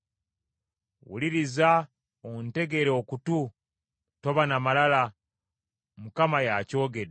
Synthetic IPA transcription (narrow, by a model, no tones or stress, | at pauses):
wṵliɾiza | onte̞ɡe̞ɾeokutu | to̞βanamalala | mukamajaco̞ːɡe̞de